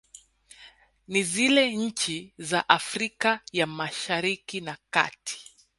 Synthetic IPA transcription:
nizilɛɲ̩t͡ʃizaʔafɾikajamaʃaɾikinaka̰ti̥

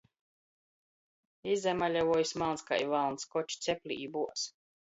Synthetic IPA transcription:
izːamalʲavuɔjusmalˠnska̰jvalˠnskɔt͡ʃu̥t̪sʲɛpʲlʲḭːbuɔs

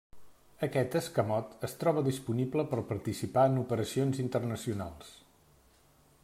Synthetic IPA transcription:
əkɛt̪əskəmɔt̪əst̪ɾɔβəðispunibləpəɾpəɾt̪isipaənupəɾəsionzint̪ərnəsiunalˠs

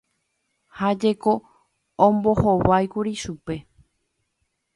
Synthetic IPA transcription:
had͡ʒe̞ko | õmbo̞hoʋajkuɾiʃupe̞

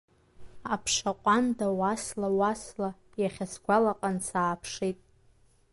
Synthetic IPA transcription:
apʰʂaqʷʼandawaslawasla | jaχʲasɡʷalaqʼansaːpʰʂitʼ

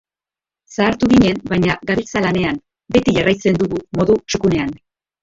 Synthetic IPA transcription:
saːɾt̪uɣiɲe̞nbajɲaɡaɾit͡salane̞an | be̞t̪iʝarajt͡se̞nd̪uɣumo̞ðut͡ʃukune̞an

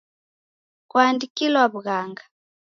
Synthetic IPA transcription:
kwaːndikilwaβuɣaŋɡa

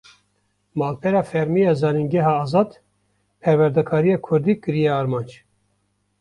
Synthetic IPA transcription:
mɑːlpʰɛɾɑːfɛɾmijɑːzɑːninɡɛɦɑːzɑːd̪ | pʰɛɾwɛɾd̪ɛkʰɑːɾijɑːkʰʊɾd̪iːkɨɾijɛɑːɾmɑːnd͡ʒ

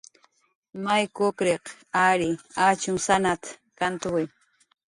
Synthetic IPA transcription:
majkokɾeqaɾɪat͡ʃʊŋsanat̪kant̪ʊwɪ

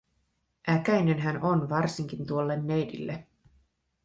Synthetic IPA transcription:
ʔækæjne̞nɦæno̞nʋɑrsiŋk̟int̪uolːenːejdḭlːe

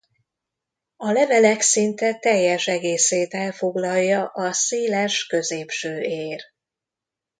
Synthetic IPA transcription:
ɒlɛvɛlɛksint̪ɛt̪ɛjːɛʃɛɡeːseːt̪ɛlfo̞ɡlɒlːɒʔɒseːlɛʃkø̞zeːpʃøːeːr

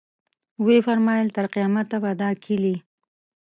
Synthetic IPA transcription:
wefaɾmɑjəlt̪aɾqijɑmat̪ːabad̪ɑkʰili

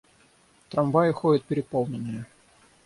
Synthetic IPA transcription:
t̪ɾɐmvajɪxoɪt̪̚pʲɪɾʲɪpolˠnʲɪnːɨjə

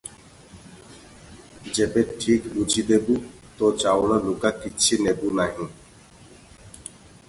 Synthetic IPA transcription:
d͡ʑebeʈʰikbud͡ʑʱid̪ebu | t̪ot͡ɕaoɽalukakitːɕʰinebunaɦĩ

